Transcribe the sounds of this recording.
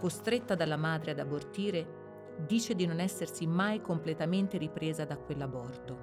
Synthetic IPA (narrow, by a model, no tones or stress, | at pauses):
kost̪ɾet̪ːad̪alːamaːd̪ɾead̪abːort̪iːɾe | d̪iːt͡ʃed̪inonɛsːersimajkomplet̪ament̪eɾipɾeːzad̪akːwelːabɔrt̪o